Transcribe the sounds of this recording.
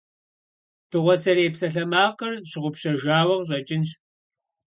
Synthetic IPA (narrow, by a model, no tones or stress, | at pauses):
tʰɨʁʷɔsɐɾeːpsɐɬɐmaːqɐrɕɪʁʷʊpɕɐʒaːwɐʁɕ̬ʷʼɐt͡ʃʼɪnɕ